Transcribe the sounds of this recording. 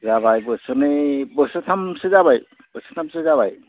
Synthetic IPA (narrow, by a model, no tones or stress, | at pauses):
zabajbɯsɯnebɯsɯtʰamsɯzabaj | bɯsɯtʰamsɯzaβaj